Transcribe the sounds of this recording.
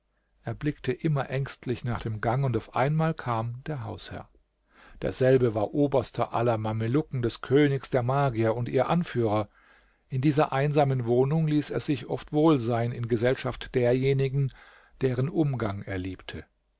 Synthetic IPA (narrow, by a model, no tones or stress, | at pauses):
ʔeːɐblɪktʰəʔɪmɐʔɛŋstʰlɪçnaːχd̥eːmɡaŋʊntaʊfʔa̰ɪnmaːlkʰaːmd̥eːɐɦa̰ʊshɛ̰ɐ | d̥ḛːɐzɛlbəvaːɐʔoːbɐstʰɐʔa̰lɐmaməlʊkŋ̩dɛskʰøːnɪçsd̥eːɐmaːɡiɐʊntʔiːɐʔanfyːʁ̞ɐ | ʔɪndiːzɐʔaɪnzaːmənvoːnʊŋliːsḛːɐz̥ɪçʔɔ̰ftv̥oːlzaɪnɪnɡəzɛlʃaftd̥eːɐjeːnɪɡŋ̩ | d̥eːʁənʔʊmɡaŋeːɐliːptʰə